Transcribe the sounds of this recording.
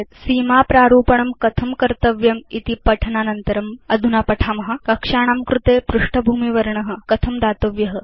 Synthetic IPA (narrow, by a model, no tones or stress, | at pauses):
t̪siːmaːpɾaːɾuːpɐɳɐmkɐt̪ʰɐmkɐɾt̪ɐʋjɐmit̪ipɐʈʰɐnaːnɐnt̪ɐɾɐmɐd̪ʱunaːpɐʈʰaːmɐɦɐ̆kɐkʂaːɳ̃aːmkɾut̪eːpɾuʂʈɐbʱuːmiʋɐɾɳɐɦə̆kɐt̪ʰɐmd̪aːt̪ɐʋjɐɦɐ